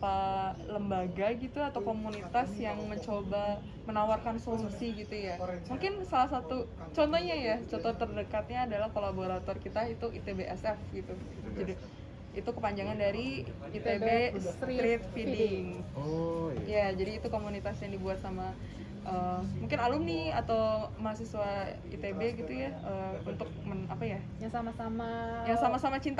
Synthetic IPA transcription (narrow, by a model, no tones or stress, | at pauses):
paləmbaɡaɡit̪uat̪awkomunit̪asjaŋməɲt͡ʃoba | mənawarkansɔmsiɡit̪ujamuŋkɪnsalahsat̪u | t͡ʃɔnt̪ɔɲajat͡ʃɔnt̪ɔt̪ərdəkat̪̚ɲaːdalahkolaboɾat̪ɔrkit̪ait̪uʔit̪ebeʔɛsɛfɡit̪u | d͡ʒadi | it̪ukəpaɲd͡ʒaŋandaɾi | it̪ebesɾɾit̪̚fidɪŋ | jad͡ʒadiːt̪ukomunit̪asjaŋdibuat̪sama | ʔəːmmuŋkɪnalʊmniat̪awmaɦas̬iswa | ḭt̪ebeɡit̪ujaəːunt̪ʊk̚mənapaja | jaŋsamasamajaŋsamasamat͡ʃint̪